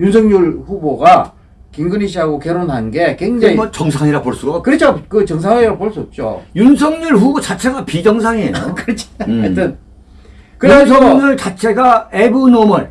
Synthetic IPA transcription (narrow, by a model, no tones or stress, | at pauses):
junsʰʌŋɲuɭɸuboɡa | kiŋɡɯniɕ̬ʰiɦaɡokeɾonɦanɡe̞keŋd͡ʑaŋiʌt͡ɕʌŋsʰaŋiɾapoɭs͈uɡakɯɾet͡ɕʰakɯt͡ɕʌŋsʰaŋɲiɾapoɭs͈uʌp̚t͡ɕ͈o̰junsʰʌŋɲuɭɸubot͡ɕat͡ɕʰe̞ɡapid͡ʑʌŋsʰaŋeokɯɾet͡ɕʰt͈ɯn | kɯɾensʰʌŋnuɭt͡ɕat͡ɕʰe̞ɡaebunomɯɭ